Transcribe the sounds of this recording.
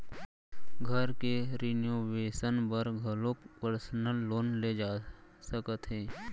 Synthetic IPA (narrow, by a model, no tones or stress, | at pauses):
ɡʱəɾkeɾinjoːʋeːsənbəɾɡʱəlopəɾsənəlːoːnled͡ʒaːsəkət̪ɦɛː